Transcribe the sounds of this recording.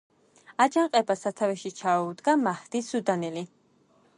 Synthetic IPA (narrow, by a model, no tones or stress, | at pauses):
ad͡ʒaɴqʼɛbasat̪ʰavɛʃit͡ʃʰaud̪ɡamahd̪̥isud̪anɛli